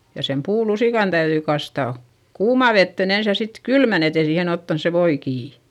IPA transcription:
jɑ sem puːlusiˑkɑn tæyðyi kɑstɑˑ kuːmɑˑ ʋetːeˑn ens jɑ sit kylmæn et ei siːhen otːɑns se ʋoi kiː

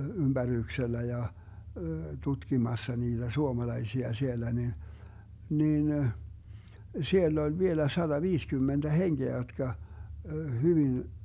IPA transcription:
ymb̥æryːkselːæ jɑ tutkimɑsːɑ niːd̥æ suomɑlɑisiɑ sielːæ ni niːn sielː olʲ ʋielæ sɑd̥ɑʋiːskymːend̥æ henɡ̊eæ jotkɑ hyʋin

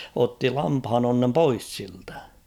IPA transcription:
otːi lɑmphɑnonːem pois siltæ̥

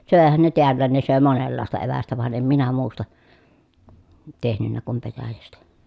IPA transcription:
søˑehæn ne teælːæːn ne søˑe monelːɑˑestɑ eʋæstæ ʋɑn em minæ muːstɑ tehnynːæ kum petæjæstæ

